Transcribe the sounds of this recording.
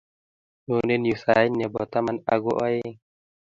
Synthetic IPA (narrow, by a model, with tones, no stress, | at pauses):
nu˨ne˦nju˨sa˨i˦nːe˨bɔ˨t̪a˦ma˦na̰˧ɡo˦ʔɔ˦e˦